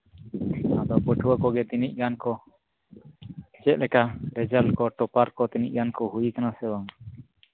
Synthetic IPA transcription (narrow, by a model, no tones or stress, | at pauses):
ad̪ɔpəʈʰuwakɔɡɛt̪iniʔ̚ˀɡankɔ | t͡ʃɛt̪̚lɛkaɾɛd͡ʒalkɔʈɔpaɾkɔt̪iniʔ̚ɡankɔɦujikanasɛwaŋ